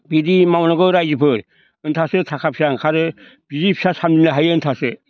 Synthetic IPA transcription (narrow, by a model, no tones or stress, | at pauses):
bidimawnaɡɯɾajzɯpʰɯɾ | ɯntʰasɯtʰakʰap̚sʰiaŋkʰaɾɯ | b̥idipʰi̥sasamdinaɦajɯntʰasɯ